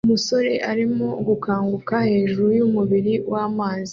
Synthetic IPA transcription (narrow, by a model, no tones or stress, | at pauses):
umuso̞ɾe̞ʔaɾimoɡukʰaːŋɡukahe̞ːʒuɾujumuβiɾiwaːmaːzi